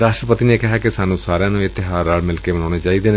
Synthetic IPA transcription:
ɾaːʃʈɾəpət̪inekɪɦaːkɪsaːnũːsaːɾjãːnũɪt̪ːɪɦaːɾaːlmɪlkemənaːneːt͡ʃaːid̪eːn

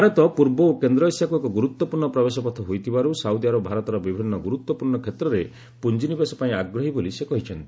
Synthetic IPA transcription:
bʱaɾɔt̪ɔpuɾbɔokend̪ɾɔisjakuekɔɡuɾut̪wɔpuɾɳɔpɾɔbesɔpɔt̪ʰɔɦojt̪ʰibaɾusawd̪iaɾɔbʱaɾɔt̪ɔɾɔbibʱinːɔɡuɾut̪wɔpuɾɳɔkʰet̪ɾɔɾe | pund͡ʒinibesɔpaĩaɡɾɔɦibolisekɔɦit͡ʃʰɔnt̪i̥

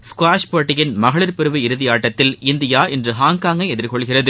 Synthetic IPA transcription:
skwaːʂpoːʈːɪjɪnmɐɣɐɭɪɾpɪɾɯʋɯɪɾɯðɪjaːʈːɐt̪ːɪlɪnd̪ɪjaːʔɛndrɯɦaːŋkaːŋɡɐɪɛðɪɾkɔɭɣɪrɐðɯ

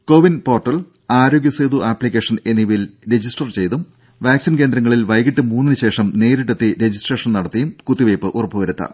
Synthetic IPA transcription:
ko̞ːʋinpo̞ːrʈːɐɭ | aːɾo̞ːɡjɐseːðuʔaːplikʲːe̞ːʂɐneniʋilɾe̞d͡ʑisʈɐrt͡ɕe̞jt̪um | ʋaːksinke̞ːnd̪ɾɐŋːɐɭilʋɐjkiʈːɨmuːnːinɨɕe̞ːʂɐmne̞ːɾiʈːet̪ːiɾe̞d͡ʑisʈreːʂɐnnɐɽɐt̪ːijumkut̪ːiʋeːpːɨʔurɐpːuʋɐɾut̪ːɐ̰

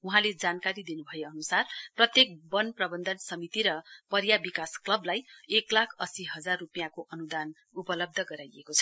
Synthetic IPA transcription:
uɦãled͡zankaɾid̪inubʱʌjeʌnusarprʌt̪jek̚bʌnprʌbʌnd̪ʱʌnsʌmit̪iɾʌpʌɾjabikasklʌblajeklakʰʌsiɦʌd͡zarːupijakoʔʌnud̪an | upʌlʌb̚d̪ʱʌɡʌɾajekot͡sʰʌ̥

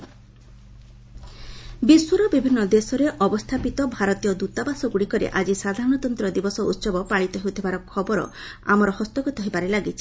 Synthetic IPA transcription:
biswɔɾɔbibʱinːɔd̪esɔɾeʔɔbɔst̪ʰapit̪ɔbʱaɾɔt̪ijɔd̪ut̪abasɔɡuɽikɔɾḛʔad͡ʒisad̪ʱaɾɔɽ̃ɔt̪ɔnt̪ɾɔd̪ibɔsɔṵt̪sɔbɔpaɭit̪ɔɦeut̪ʰibaɾɔkʰɔbɔɾɔ̰a̰mɔɾɔhɔst̪ɔkut̪ɔɦebaɾelaɡit͡ʃʰi̥

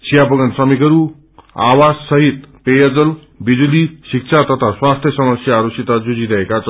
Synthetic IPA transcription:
sʰijapʌɡʌnsrʌmikʌɾu | a̰wad͡zsʌɦit̪̚pejʌd͡zʌl | bid͡zulisik̚t͡sʰat̪ʌt̪ʰaswast̪ʰjʌsʌmʌsjaːɾusit̪ad͡zud͡ziɾʌɦekat͡sʰʌ

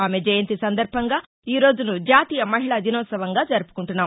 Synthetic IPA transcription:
aːmed͡ʒɐjɐnt̪isɐnd̪ɐɾbʱɐŋɡaː | iːɾo̞ːd͡ʒunud͡ʒaːt̪iːjɐmɐɦiɭɐd̪inɔːt̪sɐʋɐŋɡaːd͡ʒɐɾupu̥kuɳʈunːaːm

